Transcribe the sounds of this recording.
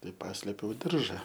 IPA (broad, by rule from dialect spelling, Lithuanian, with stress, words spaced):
ˈtɐɪ ˈpɑːsʲlʲeːpʲɛʊ ˈdʲɪrʒɐ